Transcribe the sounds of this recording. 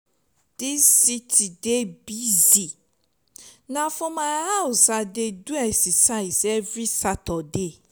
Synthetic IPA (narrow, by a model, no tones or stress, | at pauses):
d̥isitʰidebizi | nãfɔ̃mãhaʊsadeduɛsisaisɛvisatɔde